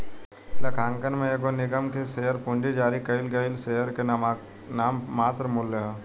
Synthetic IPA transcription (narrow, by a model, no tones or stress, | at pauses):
lɐkʰaːŋkənmẽeɡonɪɡəmkesejəɾpuɳɖid͡ʒaːɾikɐilɡɐilsejəɾke | naːmːaːt̪ɾəmʊlːəɦ